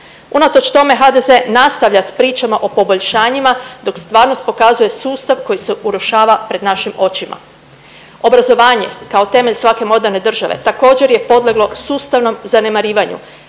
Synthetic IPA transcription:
unat̪o̞t͡ʃt̪o̞me̞ɦad̪eze̞nast̪aʋʎaspɾiːt͡ʃamaʔo̞po̞bo̞ʎʃaːɲimad̪o̞kst̪ʋaːɾno̞st̪̚po̞kazuje̞suːst̪aʋko̞jiseʔuɾuʃaːʋapɾe̞d̪naʃimo̞t͡ɕimʔa̰ | o̞bɾazo̞ʋaːɲe̞̰kao̞t̪e̞me̞ʎsʋake̞mo̞d̪eɾne̞d̪r̩ʒaʋe̞̰t̪ako̞ːd͡ʑe̞ɾje̞po̞d̪leɡlo̞suːst̪aʋno̞mzane̞maɾiːʋaɲṵ

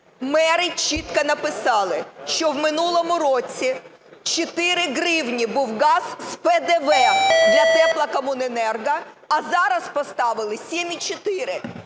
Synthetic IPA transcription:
mɛɾɪt͡ʃit̪kɐnɐpɪsɑlˠɪʃt͡ʃɔwmɪnulˠɔmʊɾɔt͡sʲi | t͡ʃɔt̪ɪɾɪɦɾɪwnʲibuwɣɑz̥spɛd̪eʋɛmjɐk̪ɛplˠɐkɐmunenɛrɡɐː | zɑɾɐspɔst̪ɑʋɪlˠɪsʲimʲit͡ʃɔt̪ɪɾɪ

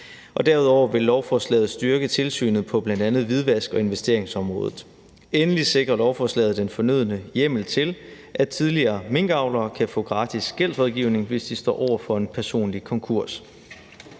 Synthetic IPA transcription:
ʔɒ̽d̥æɐuðˠɒʊ̰ɐʋe̝lːɒʊfɒslɛ̰ːð̞̩ˠsd̥yɐɡ̥ət͡sʰe̝lsy̰ːnð̞̩ˠpʰɒ̽b̥lænd̥ænð̩ˠʋið̞ˠʋæsɡ̥ɒ̽e̝nʋesd̥e̝ɐ̰eŋsɒ̽mʁɔ̰̽ːðˠð̩ˠ | enəlise̝ɡ̥ʁɐlɒʊfɒːslɛ̰ːð̩ˠd̥enfɒ̽nyð̞̰ˠənəjem̰l̩t͡sʰe̝l | ʔæt͡sʰiðˠliɐːme̝ŋ̰ɡ̥ɑ̈ʊlɐːkʰæfɔ̰̽ːɡ̥ʁɑ̈ːd̥ʰisɡ̥el̰d̥ʁɒðˠɡ̥iʊne̝ŋʋe̝sd̥isd̥ɒ̰ːʔɒʊ̰ɐfɒ̽e̝npʰæɐso̝̰ːnlikʰɒ̽ŋkʰuɐ̰s

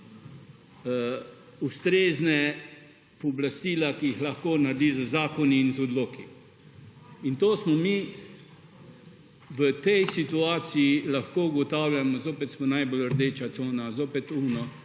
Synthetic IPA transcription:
ust̪ɾeːznɛ | pɔblast̪iːlakijixlaxkoːnaɾd̪iːzəzaːkɔniːnzɔd̪loːki | int̪oːsmɔmi | ʋət̪ɛjsit̪uaːt̪siilaxkoːuɡɔt̪aːwljamɔzoːpɛt̪smɔnajboləɾd̪eːt͡ʃat̪soːnazoːpɛt̪uːnɔ

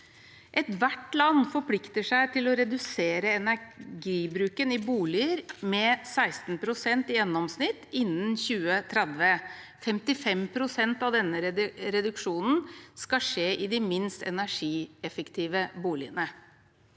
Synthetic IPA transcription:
ʔɛt̪ʋæʈlɑnːfɔɾpʰlɪkt̪əʂæɪt̪ʰɪlɔɾɛd̪ʉseːɾəɛnæɡiːbɾʉːkənɪbuːlɪəɾmɛsæɪst̪n̩pʰɾʊsɛnt̪ɪjɛnːɔmsnɪt̪ːɪnːənçʉːət̪ʰɾɛd̪ʋə | fɛmt̪ɪfɛmpʰɾʊsɛnt̪ɑʋd̪ɛnːəɾɾɛd̪ʉkʂuːnn̩skɑʂeːʔɪd̪ɪmɪnst̪ɛ̰næʂiːɛfəkt̪ʰiːʋəbuːlɪənə

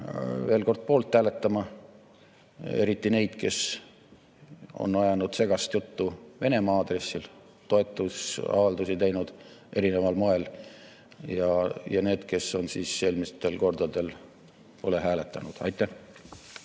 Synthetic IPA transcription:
ve̞ːlko̞rd̪̥̚po̞ːlt̪hæːle̞t̪ːˑɑmɑ | e̞ɾit̪ːˑine̞jd̪̥ke̞s | o̞̰nːɑjɑnud̪̥se̞ɡ̥ɑst̪jut̪ːuve̞ne̞mɑɑːd̪̥re̞sːil | t̪o̞e̞t̪ːˑusɑ̰vɑld̪usit̪ejnud̪̥ | ʔe̞ɾine̞vɑlmoe̞l | jɑjɑne̞ːd̪̥ke̞sːo̞nsiːsːe̞ːlmist̪e̞lko̞rd̪̥ɑd̪̥e̞l | po̞le̞ɦæːle̞t̪ˑːɑnud̪̥ɑ̰jt̪ːˑæ

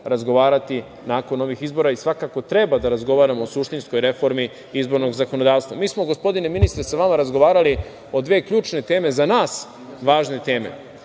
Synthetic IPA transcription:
ɾazɡo̞ʋaːɾat̪i | naːko̞no̞ʋixizbo̞ɾaisʋakako̞t̪ɾe̞bad̪aɾazɡo̞ʋaːɾamoosuʃt̪insko̞jɾe̞fo̞ɾmi | izbo̞ɾno̞ɡzako̞no̞d̪aːʋst̪ʋamiːsmo̞ɡo̞spo̞d̪ineminist̪ɾesaʋamaɾazɡoʋaːɾali | od̪ʋe̞ːkʎuːt͡ʃne̞t̪e̞ːme̞zanaːs | ʋaːʒne̞t̪e̞ːme̞̰

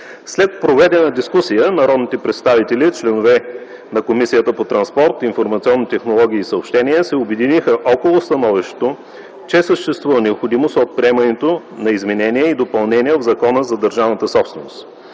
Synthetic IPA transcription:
slɛt̪̚pɾovɛd̪ɛnɐd̪iskusijənɐɾɔd̪nit̪ɛpɾɛt̪st̪avit̪ɛlit͡ʃlɛnovɛ | nɐkomisijət̪əpot̪ɾɐnspɔɾt̪infoɾmɐt̪siɔnːit̪ɛxnolˠɔɡ̟ʲiːsəopʃt̪ɛniɛsɛobɛd̪inixəʔɔkolˠost̪ɐnɔviʃt̪e̥t̪o | t͡ʃɛsəʃt̪ɛst̪vuvənɛopxod̪imost̪ot̪̚pɾʲiɛmɐnɛt̪o | nɐizmɛnɛnʲiɛid̪opɐlˠnɛnʲiɛvzɐkɔnəzɐd̪əɾʒavnət̪əsɔpsvɛnost̪

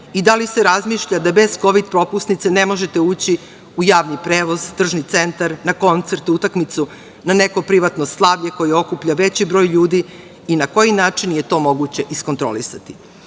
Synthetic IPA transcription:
id̪aliseɾazmiːʃʎad̪abe̞z̥ko̞ʋid̪pɾo̞pusnit̪sene̞mo̞ʒet̪e̞uːt͡ɕi | ujaːʋnipɾeːʋo̞zt̪r̩ʒnit̪se̞nt̪aɾnako̞nt̪se̞ɾt̪ut̪akmit̪su | nane̞kopɾiʋat̪noslˠaʋʎe̞ko̞jeo̞kupʎaʋe̞t͡ɕibɾo̞ːjʎuːd̪i | inako̞jinaːt͡ʂinje̞t̪o̞ːmo̞ɡut͡ɕe̞ʔisko̞nt̪ɾo̰lisat̪i̥

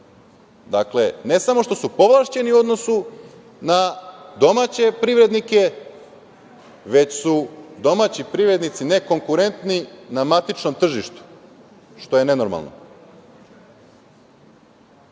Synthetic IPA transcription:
d̪akle̞ne̞samo̞ʃt̪o̞supo̞ʋlˠaʃt͡ɕe̞niuo̞d̪no̞su | nad̪o̞mat͡ɕe̞pɾiʋɾe̞d̪nike̞ | ʋe̞t͡ɕsud̪o̞mat͡ɕipɾiʋɾe̞d̪nit̪sine̞ko̞ŋkuɾe̞nt̪ninamat̪it͡ʃno̞mt̪r̩ʒiʃt̪u̥ | ʃt̪o̞je̞ne̞no̞ɾma̰lˠno̰

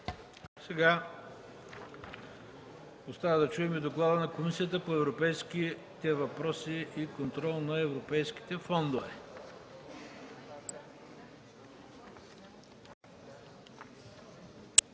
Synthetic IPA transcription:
sɛɡa | ost̪avəd̪ɐt͡ʃuɛmid̪oklˠad̪ənɐkomisiət̪əpoɛvɾopɛjski | t̪ɛvɐpɾɔsiikont̪ɾɔlˠnɐɛvɾopɛjski̥t̪ɛfɔnd̪ovɛ

